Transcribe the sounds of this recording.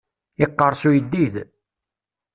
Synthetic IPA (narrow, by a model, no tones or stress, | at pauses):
ɪqːəɾˤsujəd̪ːið